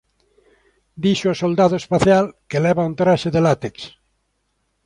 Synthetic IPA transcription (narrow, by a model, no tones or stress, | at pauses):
d̪iʃoosold̪aðoespaθjalkelɛβaunt̪ɾaʃeðelat̪eks